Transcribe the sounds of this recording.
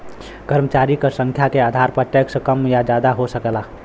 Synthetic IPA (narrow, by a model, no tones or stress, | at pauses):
kəɾmət͡ʃaɾikəsə̃ŋkʰjakeaːd̪ʱaɾpəʈekskəmjad͡ʒaːd̪aɦosəkla